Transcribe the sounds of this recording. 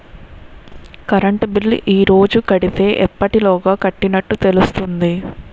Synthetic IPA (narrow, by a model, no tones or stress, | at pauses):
kɐɾɐɳʈbilʔiːɾo̞ːd͡ʒukɐɽit̪e̞ːʔɛpːɐʈilɔːɡaːkɐʈːinɐʈːut̪e̞lust̪und̪i